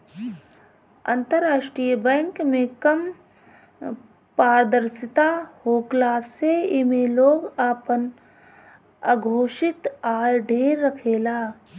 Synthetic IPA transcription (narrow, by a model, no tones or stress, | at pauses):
ɐ̰̃nt̪əɾːaːʃʈɾijəbɛ̃ŋkmẽkɐm | paːɾəd̪əɾsɪt̪aːhoːklaːseɪmẽloːɡaːpən | a̰ɡʱoːʃɪt̪aːjɖʱeːɾːɐkʰeːlaː